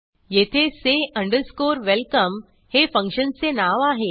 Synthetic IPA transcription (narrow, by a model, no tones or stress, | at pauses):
jet̪ʰeseə̃ɳɖəɾskoːɾʋelkəm | hefə̃ŋkɕənsenaʋaɦe